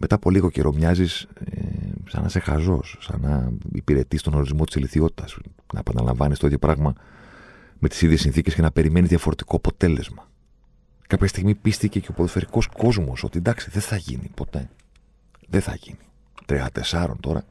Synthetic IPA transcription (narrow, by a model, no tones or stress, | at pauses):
met̪ɐpo̞liɣo̞cḛɾo̞mɲɐzisḛsɐ̰nɐ̰se̞xɐzo̞̰sːɐ̰nɐḭpiɾe̞t̪ist̪o̞no̞ɾizmo̞t̪iseliθio̞t̪i̥t̪ɐs | nɐ̰epɐnɐlɐ̰ɱvɐnist̪oiðjopɾɐɣmɐ | me̞t̪i̥siðʝesinθicesce̞nɐpe̞ɾime̞nizðʝɐfo̞ɾe̞t̪i̥ko̞ɐpo̞t̪e̞le̞zmɐ | kɐpçɐst̪iɣmipist̪ice̞ceo̞poðosfe̞ɾiko̞sko̞zmo̞so̞̰t̪id̪ɐksiðeθɐʝḭnipo̞t̪e̞ | ðeθɐʝini | t̪ɾiɐt̪e̞sɐɾo̞̰nt̪o̞ɾɐ̰